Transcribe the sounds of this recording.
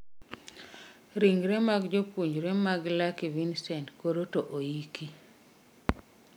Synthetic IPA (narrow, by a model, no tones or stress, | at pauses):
ɾiŋɡɾɛmaɡd͡ʒopuɲd͡ʒɾɛmaɡlakivinsɛntkoɾotoʔojiki